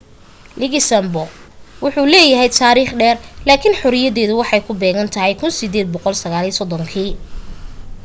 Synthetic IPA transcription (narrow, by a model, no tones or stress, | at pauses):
lɪɣɪsɐmbɔwʊħuːlɛːjɐɦɛjt̪ʰaːɾiːχɖɛːrlaːkʰɪnħʊɾɪjɐðɛːðʊwɑħɑjkʰʊbɛːɣɐnt̪ʰɐɦɛjkʰʊnsɪd̪ɛːd̪̚bɔqɔlsɐɣaːliːsɔd̪ɔŋkʰiː